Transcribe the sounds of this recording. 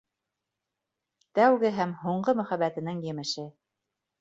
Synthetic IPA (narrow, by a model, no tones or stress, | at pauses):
t̪æwɡɘɦæmɦuɴɢɤmɵ̆χæbæt̪ɘ̆nɘŋjɘ̆mɘ̆ʃɘ